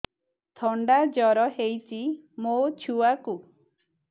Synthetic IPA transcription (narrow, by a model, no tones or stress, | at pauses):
t̪ʰɔɳɖad͡ʒɔɾɔɦejt͡ʃʰimot͡ʃʰuaku